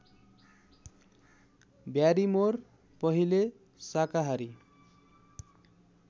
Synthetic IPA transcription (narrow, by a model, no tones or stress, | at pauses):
bjaɾimor | pʌɦile | sakaɦaɾi